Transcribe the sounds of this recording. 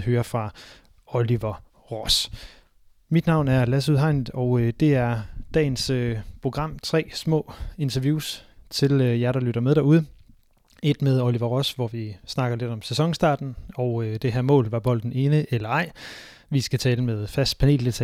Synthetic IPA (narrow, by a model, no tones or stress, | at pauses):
høːɐfʁɑ̈ | oliʋɐ | ʁɒs | mid̥nɑ̈ʊ̰næɐlæs̬uðˠɦɑ̈ɪnð̩ˠɒ̽ʊød̥e̝æɐd̥ɛ̰ːɪnsøpʰʁo̝ɡ̥ʁɑ̈m̰t͡sʰʁɛ̰ːsmɔ̰̽ːe̝nt͡sʰɐʋjuːst͡sʰe̝løjæɪɾ̥ɑ̈lyɾ̥ɐmeðˠd̥æɐuð̞ˠə | e̝d̥meðˠoliʋɐʁɔ̽sʋɒʋisnɑ̈ɡ̥ɐle̝d̥ɒ̽msesɒ̽ŋsd̥ɑ̰̈ːd̥n̩ɒʊød̥e̝ɦeɐmɔ̰̽ːlʋɑ̈b̥ɒ̽l̰d̥n̩e̝ːnəʔelɐɑ̈ɪ̰ | ʋisɡ̥æt͡sʰɛːləmeðˠfæsd̥pʰæne̝̰ːld̥e̝t͡sʰɛ